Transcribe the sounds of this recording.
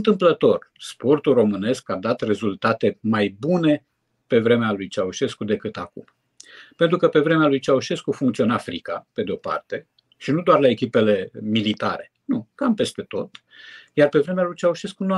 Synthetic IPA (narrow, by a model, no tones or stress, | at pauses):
nt̪ɨmplət̪o̞rspo̞rt̪ulro̞mɨne̞skad̪at̪re̞zult̪at̪e̞majbune̞ | pe̞vɾe̞mealujt͡ʃauʃe̞skud̪e̞kɨt̪akṵm | pe̞nt̪ɾukəpe̞vɾe̞mealujt͡ʃauʃe̞skufuŋkt̪sio̞nafɾḭkape̞d̪eo̞pa̰rt̪e̞ | ʃinud̪oarlae̞kʲipe̞le̞milit̪a̰ɾe̞nukampe̞st̪e̞t̪o̞̰t̪ | jarpe̞vɾe̞mealujt͡ʃauʃe̞skunua